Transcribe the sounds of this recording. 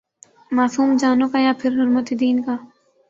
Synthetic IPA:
maːsuːmd͡ʒaːnõːkajãːpʰɪɾɦʊɾmət̪ed̪iːnkaː

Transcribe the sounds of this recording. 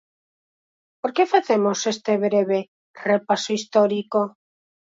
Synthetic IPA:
poɾkefaθemosest̪eβɾeβ̞e | repasoist̪oɾiko

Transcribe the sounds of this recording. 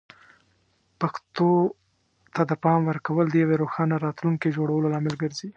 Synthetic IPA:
paxt̪o | t̪ad̪əpɑmwəɾkawəld̪əjaweɾoxɑnaɾɑt̪luŋked͡ʒoɽawəlolɑmɪlɡəɾzi

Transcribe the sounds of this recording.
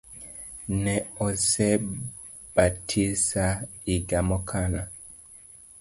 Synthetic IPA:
nɛɔsɛ | b̥atʰisaiɡamɔkʰana

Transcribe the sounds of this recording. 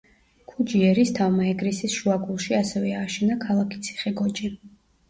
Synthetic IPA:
kʰud͡ʒiɛɾist̪ʰavmaɛɡɾisisʃuaɡulˠʃiasɛvɛaːʃɛnakʰalˠakʰi̥t̪sʰi̥χɛɡɔt͡ʃʼi

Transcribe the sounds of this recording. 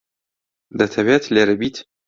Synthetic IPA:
d̪ɐt̪ʰɐveːt̪ʰleːɾɨbiːt̪

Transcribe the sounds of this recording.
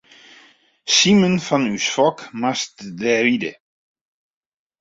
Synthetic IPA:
simənfɔnysfɔkmastdɛvidə

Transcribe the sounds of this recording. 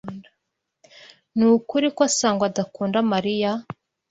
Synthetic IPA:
nda | nuːkuɾikwasaːŋɡwadakuːndamaɾija

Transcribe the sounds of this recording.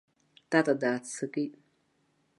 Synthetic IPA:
tatadaːt͡sʰɨkʼi

